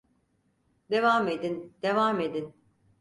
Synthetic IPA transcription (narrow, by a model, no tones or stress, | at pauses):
d̪e̞vamed̪ind̪̥e̞vame̞d̪in